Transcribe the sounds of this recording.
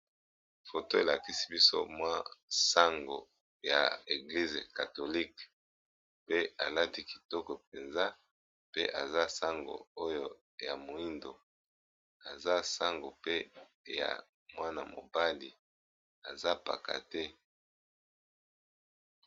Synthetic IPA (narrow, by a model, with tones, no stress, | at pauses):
fo˨to˦e˨la˨ki˦si̥˦bi˦so̰˦mwa˦sa˦ŋɡo˨ | ja̰˨e˨ɡli˦zḛ˨ka˨to˨li˦k | pe˦a˨la˦ti˦ki̥˨tɔ˦kɔ˨p̚e˨nza˦ | pe˦ʔa˨za˦sa˦ŋɡo̰˨o˦jo˦ | ja˨mo˨i˦ndo˨ | a˨za˦sa˦ŋɡo˨pe˦ | ja̰˨ | mwa˦na̰˨mo̰˨ba˦li˨ | a˨za˦pa̰˨ka̰˨tɛ˦